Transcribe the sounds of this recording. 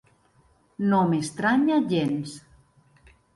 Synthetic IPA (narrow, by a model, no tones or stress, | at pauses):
nomest̪ɾaɲaʎens